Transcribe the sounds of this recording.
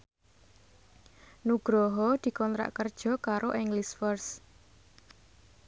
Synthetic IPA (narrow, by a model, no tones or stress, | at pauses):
nuɡ̥ɾɔɦɔd̪̥i̤kɔnt̪ɾa̰ʔkərd̥ʒ̥ɔ̤kaɾʔoʔɛŋlisfərs